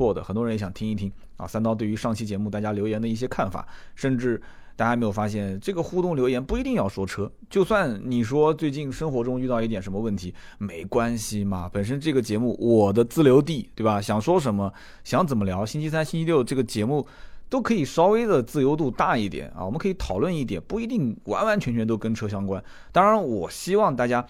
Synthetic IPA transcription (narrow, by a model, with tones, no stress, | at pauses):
wɔ˥˩d̪ə̰˩xə˨˩nt̪wɔ˥ɻjɛ˧˥ɕjɑ˨˩ŋtʰi˥ŋi˥˩t̪ʰi˥ŋ | ɐ̰˧˩sa˥nt̪ɑ˥ʊt̪̬we˥˩ɪy˧˥ʂɑ˥˩ŋt͡ɕʰi˥˩t͡ɕjɛ˧˥mu˥˧t̪a˥˩t͡ɕja˥ljo˧˥ʊjɛ˧˥nd̪ə˧i˥˩ɕ̬jɛ˥kʰa˥˩nfa̰˨˩˦ʂə˥˧nʈ͡ʂɻ̩˥˩ | t̪a˥˩t͡ɕja˥˧m˧˥ɪjfa˥ɕjɛ˥˩nʈ͡ʂɤ˥˩ɡə˩xu˥˧t̪ʊ˥˩ŋljo˧˥ʊjɛ˧˥npu˥˩i˧˥t̪i˥˧ŋjɑ˥˩ʊʂwɔ˥ʈ͡ʂʰɤ˥ | t͡ɕjo˥˧ʊswa˥˩nni˨˩ʂwɔ˥t͡swe˥˧ɪt͡ɕi˥˩nʂɤ˥ŋxwɔ˧˥ʈ͡ʂʊ˥ŋy˥˧t̪ɑ˥˧ʊi˥˩jɛ˨˩nʂə˧˥mə˧wə˥˩nt̪ʰi˧˥ | me˧˥ɪkwa˥nɕi˨mɐ˨˩pə˨˩nʂ̬ə˥nʈ͡ʂɤ˥˩ɡə˩t͡ɕjɛ˧˥mu˥˩wɔ˨˩d̪ə˦t͡sɹ̩˥˩ljo˧˥ʊt̪̬i˥˩t̪we˥˩bɐ˩ɕjɑ˨˩ŋʂwɔ˥ʂ̬ə˧˥nmə˧ | ɕjɑ˧˥ŋt͡sə˨˩mə˦ljɑ˧˥ʊɕi˥nt͡ɕʰi˥s̬a˥nɕi˥nt͡ɕʰi˥ljo˥˧ʊʈ͡ʂɤ˥˩ɡə˩t͡ɕjɛ˧˥mu˥˩t̪o˥ʊkʰɤ˧˥i˨˩ʂɑ˥ʊwe˥ɪd̪ə˨t͡sɹ̩˥˧jo˥ʊt̪̬u˥˧t̪a˥˧i˥˩t̪jɛ̰˨˩˦n̰˩wɔ˨˩mə˦nkʰɤ˧˥˧t̪ʰɑ˨˩ʊlwə˥˧ni˥˩t̪jɛ̰˨˩npu˥˩i˧˥t̪i˥˩ŋwa̰˧˥nwa˧˥nt͡ɕʰɥɛ˧˥nt͡ɕʰɥɛ˧˥nt̪o˥ʊkə˥nʈ͡ʂʰɤ˥ɕ̬jɑ˥ŋkwa˥n | t̪ɑ˥ŋɻa˧˥nwɔ˨˩ɕi˥wɑ˥˧ŋt̪a˥˩t͡ɕja˥